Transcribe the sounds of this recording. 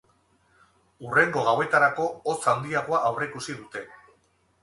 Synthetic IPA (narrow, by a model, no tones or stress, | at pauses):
ure̞ŋɡo̞ɣ̞awe̞t̪aɾako̞ːt͡sand̪iaɣ̞o̞aʔawre̞ikusið̞ut̪e̞